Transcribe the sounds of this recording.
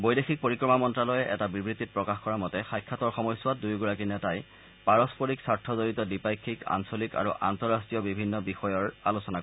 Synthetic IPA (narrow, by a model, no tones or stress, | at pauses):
bojdexʰik̚poɹikɹɔmamɔntɹalɔjɛʔɛ̰tabibɹit̪ːit̚pɹɔkaxkɔɹamɔtɛxajkʰːatɔɹxɔmɔjsʊat̚dujɡuɹakinɛtaj | paɹɔspɔɹiksaɹtʰɔzoɹitɔdipajkʰːika̰nsolika̰ɹuʔa̰ntɔɹastɹijɔbibʱinːɔbixɔjɔɹalusɔna